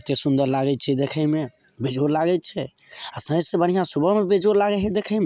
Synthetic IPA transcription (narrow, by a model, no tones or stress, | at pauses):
t̪esund̪əɾlaɡɛt̪t͡ʃʰɛd̪ekʰəme | bed͡ʒoɾlaɡɛt̪̚t͡ʃʰɛasə̃ɦə̃d͡ʒsebən̤ijãsubʱəɦmebed͡ʒoɾlaɡɛɦɛd̪ekʰəme